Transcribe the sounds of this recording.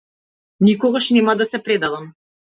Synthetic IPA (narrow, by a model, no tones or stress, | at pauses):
nikɔɡaʃnɛmad̪asɛpɾɛd̪alˠam